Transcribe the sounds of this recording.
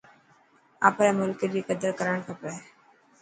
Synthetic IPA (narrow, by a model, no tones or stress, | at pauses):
a̰ːpɾɛːmʊlkelikəd̪əɾkəɾəɳkʰəpɾɛ